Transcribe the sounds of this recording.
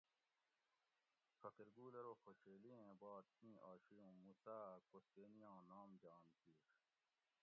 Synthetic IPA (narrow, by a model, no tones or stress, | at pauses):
fɐkeɾɡuːleɾoːxoɕeːliẽːbaːt̪̚ːĩːʔaːɕijõːmuːsaːkost̪eːnijãːnaːmd͡ʑaːnt̪iːɾ